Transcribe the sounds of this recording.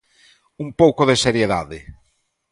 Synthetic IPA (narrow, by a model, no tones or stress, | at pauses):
umpowkoðeseɾjeðaðɪ